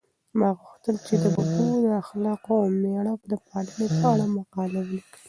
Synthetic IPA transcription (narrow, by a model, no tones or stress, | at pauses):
mɑɣuxt̪əlt͡ʃed̪əbakud̪əaxlɑqoawmeɽakd̪əpɑlənopəaɽamaqɑlawlikɽi